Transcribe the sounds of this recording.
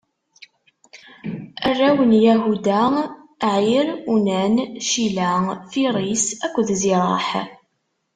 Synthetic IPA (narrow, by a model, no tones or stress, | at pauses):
ərːæwənjæɦud̪a | ʕjiɾunænʃilæfiɾˤisækʷːðziɾˤɑ̰ħ